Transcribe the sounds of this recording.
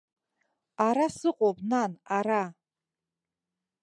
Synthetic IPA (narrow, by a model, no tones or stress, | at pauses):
aɾasɨqʼopʼnanaɾa